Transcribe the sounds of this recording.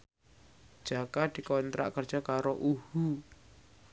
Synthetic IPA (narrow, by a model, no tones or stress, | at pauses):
d̥ʒ̥a̤kad̪̥i̤kɔnt̪ɾa̰ʔkərd̥ʒ̥akaɾoʔuhu